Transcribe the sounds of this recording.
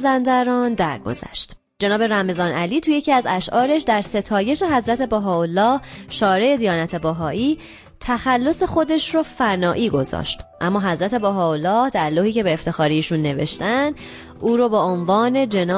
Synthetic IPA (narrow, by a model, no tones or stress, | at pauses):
zænd̪æɾɒːnd̪æɾɡo̰zæ̰ʃt̪ | d͡ʒe̞nɒːbe̞ɾæme̞zɒːnʔæliːt̪ʰuje̞cʰiːæzæʃʔɒːɾe̞ʃd̪æɾse̞t̪ʰɒːje̞ʃe̞ɦæzɾæt̪ʰe̞boɦɒːolːɒːhʃɒːɾe̞ed̪ijɒːnæt̪ʰe̞boɦɒːʔiː | t̪ʰæxælːo̞se̞xo̞d̪e̞ʃroːfænɒːʔiːɡo̞zɒ̰ːʃt̪ʔæmːɒːɦæzɾæt̪ʰe̞bæɦɒːolːɒːhd̪æɾlohiːce̞beːft̪e̞xɒːɾiʃunːe̞ve̞̰ʃt̪ænd̪̥ | ʔuːɾobɒːonvɒːne̞d͡ʒe̞nɒː